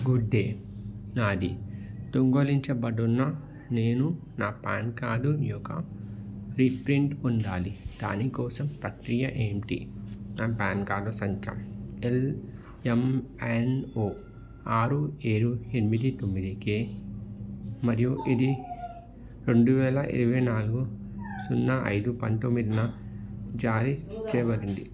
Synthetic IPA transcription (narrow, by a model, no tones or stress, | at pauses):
ɡuɖːeː | naːd̪ḭt̪oŋɡoliɲt͡ʃɐbɐɖunːɐ | ne̞ːnu | naːpa̰ːnkaːd̪unjɔːkɐ̰ | ɾipɾiɳʈuɳɖaːlid̪̥a̰ːnikɔːsɐmpɾɐkɾijɐʔeːmʈḭnaːpaːnkaːd̪usɐŋkʰjɐ̰mel | emenoː | aːɾueːɾuenimid̪it̪omːid̪ikeː | mɐɾijuʔid̪i | ɾe̞ɳɖuʋɛːlɐʔḭɾuʋɐjnaːluɡu | sunːɐʔɐ̰jd̪upɐnt̪omːid̪inɐ | d͡ʒaːɾit͡ʃɛːʋɐɾiɳɖi